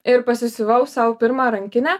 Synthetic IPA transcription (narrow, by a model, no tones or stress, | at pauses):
ɪɾpɐsʲɪsʲɪʋɐʊsɐʊpʲɪɾmɑːɾɐŋʲkʲɪnʲæː